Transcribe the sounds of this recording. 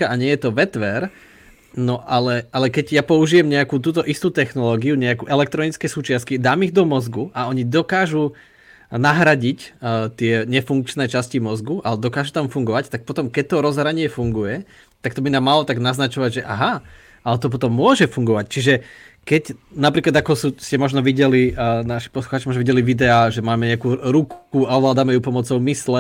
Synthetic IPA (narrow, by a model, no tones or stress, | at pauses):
aʔaɲɪɛjɛt̪ɔʋɛt̪ʋɛɾ | nɔʔalɛalɛkɛɟjapɔuʒijɛmɲɛakuːt̪̬uːt̪ɔʔist̪uːt̪ɛxnɔlɔːɡiuɲɛakuːʔɛlɛk̚t̪ɾɔnit͡skɛsuːt͡ʃɪaskid̪aːmiɣd̪ɔmɔzɡuʔaɔɲid̪ɔkaːʒu | naɦɾaɟict̪ɪɛɲɛfuŋk̚t͡ʃnɛːt͡ʃascimɔzɡuʔalɛd̪ɔkaːʒut̪amfuŋɡɔʋact̪ak̚pɔt̪ɔmkɛc̚t̪ɔɾɔzɦɾaɲɪɛfuŋɡujɛ | t̪ak̚t̪ɔbinaːmːalɔt̪aɡnaznat͡ʃɔʋaɟʒɛʔa̰ɦa | ʔalɛt̪ɔp̬ɔt̪ɔmːʊɔʒɛfuŋɡɔʋact͡ʃiʒɛkɛcnapɾiːklad̪akɔsuscɛmɔʒnɔʋiɟɛlinaʃi̥pɔsluxaːt͡ʃimɔʒnɔʋiɟɛliʋid̪ɛaːʒɛmaːmɛɲɛakuːɾukkuaɔʋlaːd̪amɛjupɔmɔt͡sɔʊmislɛ